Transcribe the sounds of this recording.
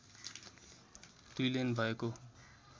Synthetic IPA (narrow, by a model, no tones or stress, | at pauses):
d̪ujlenbʱʌeko